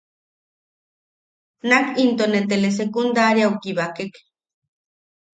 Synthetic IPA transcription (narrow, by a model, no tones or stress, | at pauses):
nakint̪onet̪eles̬ekund̪aɾjawkiβakek